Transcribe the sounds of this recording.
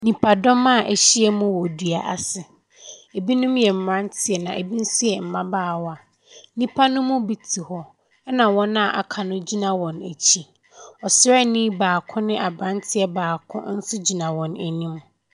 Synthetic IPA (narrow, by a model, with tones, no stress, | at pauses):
nĩ˨pʰa˨dɔ˦mã˦˨ʔæ̰˨ɕi˦ɛ˦mũ˦wɔ˨dɥa˨ʔa˨sɪ˨ | e˨bi˦nʊ̃˦mjɛ˨m̩˨mã˦n˦tʰɪ˨ɛ˨nã˨ʔḛ˨bi˦n̩˦sʊ˦jɛ˨m̩˨mã˦baː˦˨wɔ˦a˨˦ | nĩ˦pʰa˦nʊ̃˦mʊ̃˦bi˨tʰi˨hɔ˦ | ɛ˦nã˨wɔ̃˦nã˦˨ʔa̰˨kʰa˨nʊ̃˦d͡ʑi˦nã˨wɔ̃˨næ˨t͡ɕʰi˦ | ɔ˨sɛ˦˨nĩ˦baː˨kʰʊ̃˦nɪ̃˦ʔa˨bɾã˦ntʰɪ˦ɛ˨baː˨kʰʊ̰̃˦n̩˦sʊ˦d͡ʑi˨nã˨wɔ̃˨næ̰˨nĩ˦m